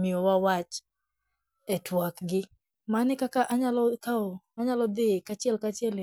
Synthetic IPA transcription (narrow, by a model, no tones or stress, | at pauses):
miowawat͡ʃ | ɛtwakɡɪ | manɪkakaʔaɲalɔkao | aɲalɔd̪ekat͡ʃjɛlkat͡ʃjɛl